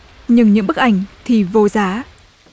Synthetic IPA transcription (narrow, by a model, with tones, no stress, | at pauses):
ɲɨ˧ŋɲɨ̰˧˥ŋɓɨ˦˥k̚ʔa˧˩jŋ̟t̪ʰi˨˩vo˧zaː˨˦